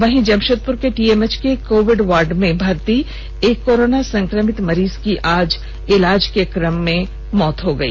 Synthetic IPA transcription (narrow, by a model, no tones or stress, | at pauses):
ʋɐɦĩd͡ʒɐmʃət̪̚pʊɾkeʈiːemet͡ʃkekoːʋɪɖʋaːɾɖmẽbʱɐɾt̪i | eːkːoːɾoːnasɐ̃ŋkɾəmɪt̪mɐɾiːzkiʔaːd͡ʒ | ɪlaːd͡ʒkekɾəmːẽ | mɔːt̪ɦoɡɐḭː